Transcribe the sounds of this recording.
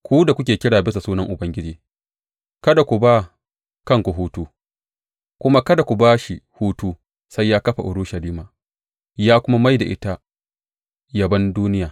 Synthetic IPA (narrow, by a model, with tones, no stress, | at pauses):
kʷuː˦da˨kʷʊ˦kʲeː˨kʲɪ˦ɽaː˨bɪ˦s̬a˨suː˦nɐ˦ŋʔʊ˨bɐ˦ŋɡʲɪ˦d͡ʒiː˦ | kɐ˦da˨kʷu˨ba˦ | kɐ˦ŋkʷu˨ɦuː˦tuː˦ | kʷʊ˦ma˦kɐ˦da˨kʷu˨baː˦ʃi˨huː˦tuː˦ | sa˦jːaː˦kɐ˦ɸa˨ʔʊ˨ɽu˦ʃɐ˨liː˦maː˨ | jaː˦kʷʊ˦ma˦ma˦jda̰˨ʔɪ̰˦ta˦ | jɐ˨bɐ˦nduː˦nɪ˦jaː˨